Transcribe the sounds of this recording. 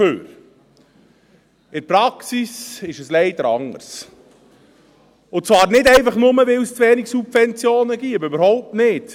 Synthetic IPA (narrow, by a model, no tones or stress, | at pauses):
ø̰ːɾ | ɪɾpɾɑksisɪʃəslɛɪd̪əɾɑŋːə̰ɾs | ʊt͡svɑːɾnɪdɛɪfɑχnʊməʋɪlst͡sʋɛːnɪksubfɛnt͡sjoːnəɡiəbʏbəɾhɔʊp̚tnɪt